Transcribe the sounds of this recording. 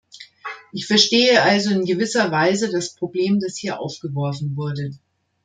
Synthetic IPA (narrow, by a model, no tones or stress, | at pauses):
ʔɪçfɛɐʃteːəʔalzoɪnɡəvɪsɐvaɪzədaspʁ̥obleːmdashiːɐʔa̰ʊfɡ̥əvɔɐfn̩vʊɐdə